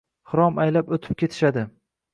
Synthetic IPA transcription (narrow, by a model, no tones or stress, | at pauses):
hɨɾɒmajlapot̪ʰɪ̥p̚kʲʰe̞t̪ʰɪ̥ʃad̪ɪ